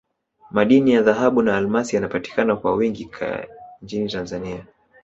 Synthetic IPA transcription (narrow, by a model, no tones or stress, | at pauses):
maɗinijaðaɦaɓunaːlmasijanapati̥kanakwawiŋɡikʰa̰ɲt͡ʃinitanzania